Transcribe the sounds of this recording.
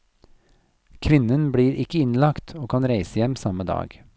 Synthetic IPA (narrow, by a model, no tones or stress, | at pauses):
kʰʋɪnənbɽiːɾʔɪkəɪnlɑkt̪ʰoːkʰɑnɾeɪsəjɛmsɑməd̪ɑ̰ːɡ